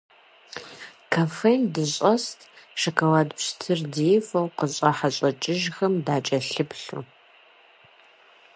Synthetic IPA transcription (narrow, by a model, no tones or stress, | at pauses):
kʰafendɨɕʼɐstʰʼʃɐkʰɐwaːdpʂtʰɨrdijfɐwqəɕʼɐħaɕʼɐt͡ʃʼɪʒxɐmdaːt͡ʃʼɐɬɨpɬṵ